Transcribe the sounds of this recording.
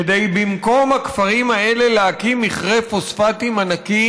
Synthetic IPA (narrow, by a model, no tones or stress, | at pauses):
ed̪ejbimko̞mhakfaʁimae̞le̞leakimiχʁefosfatimanaki